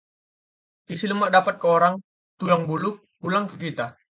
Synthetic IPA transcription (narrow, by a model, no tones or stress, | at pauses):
ʔisiləmaʔdapat̪̚kəoɾaŋ | t̪ulaŋbulʊk̚bulaŋkəkit̪a